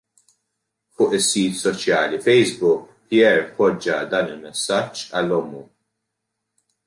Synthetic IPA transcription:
fʊːʔɪsːiːt̪sɔt͡ʃjɐːlifɛjzbʊkpiɛɾpɔd͡ʒːɐd̪ɐːnɪlmɛsːɐt͡ʃːɐlːɔmːu

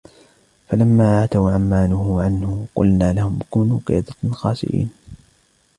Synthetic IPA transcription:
falamːaːʔaʕat̪awʕamːaːnʊhʊʕanhʊqʊ̰lnaːlahʊmkuːnuːkḛːt̪ˤɑxɑːsɪ̰ʔḭːn

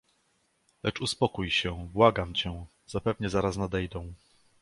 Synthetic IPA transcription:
lɛt͡ʂuspɔkujɕɛbwaɡamt͡ɕɛ | z̥apɛvɲɛzaɾasnad̪ɛjd̪ɔ̃w̃

